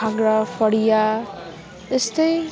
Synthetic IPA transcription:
aɡɾafəɽija | ɪst̪e

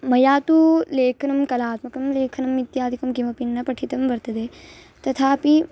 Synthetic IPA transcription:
mɐjaːt̪uleːkʰɐnɐmkɐlaːt̪mɐkɐmleːkʰɐnɐmit̪jaːd̪ikɐmkimɐpinːɐpɐʈʰit̪ɐmʋɐɾt̪ɐd̪eː | t̪ɐt̪ʰaːpi

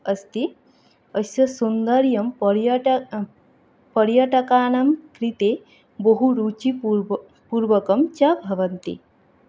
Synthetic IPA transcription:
ɐst̪i | ɐsjɐsund̪ɐɾjɐmpɾ | pɐɾjɐʈɐkaːnɐmkɾit̪eː | boɦuɾuːt͡ʃi | puːɾʋɐkɐmt͡ʃɐbʱɐʋɐnt̪ḭ

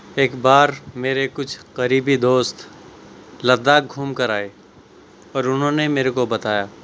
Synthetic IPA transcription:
eːkbaːɾmeːɾekʊt͡ʃʰqɐɾiːbid̪oːst̪ | lɐd̪aɡʱuːmkɐɾaːe | ɔːɾʊnɦõnemeːɾekobɐt̪aːjaː

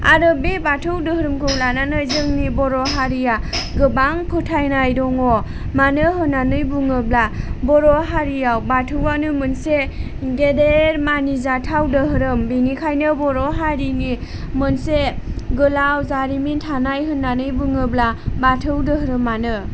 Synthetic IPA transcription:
a̰ɾɯbebatʰɯwdɯhɾɯmkʰɯwlananɯjzɯŋnibɔɾɔɦaɾijaɡɯbaŋpʰɯtʰajnajdɔŋɔ | manɯɦɯnːanɯjbuŋɯblabɔɾɔɦaɾijawbatʰɯwanɯmɯnse | ɡedeɾmanizatʰawdɯɦɯɾɯmbinikʰajnɯbɔɾɔɦaɾini | mɯnseɡɯlawzaɾimintʰanajɦɯnːanɯjbuŋɯblabatʰɯwdɯɦɾɯmːanɯ

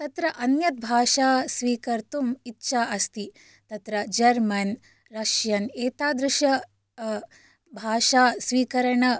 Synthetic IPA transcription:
t̪ɐt̪ɾɐʔɐnjɐt̪̚bʱaːʃaːsʋiːkɐɾt̪umitːʃʰaːʔɐst̪i | t̪ɐt̪ɾɐd͡ʒɐɾmɐn | ɾɐʂjɐneːt̪aːd̪ɾɪʂɐ | bʱaːʂaːsʋiːkɐɾɐɳɐ

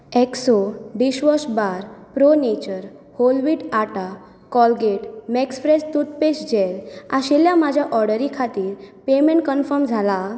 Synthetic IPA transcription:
eksɔɖiɕʋɔsbaɾpɾonet͡ɕəɾ | holʋiʈaʈa | kɔlɡeʈmɛksfɾest̪ut̪̚pesd͡ʑelaɕeljamad͡ʑʱjaʔɔɾɽəɾikʰat̪iːɾpemẽɳʈ̚kənfəɾmd͡zʱala

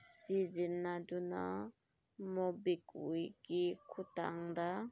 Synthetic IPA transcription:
sizinːaduna̰ | mɔbikṵjkikʰuta̰ŋd̪a

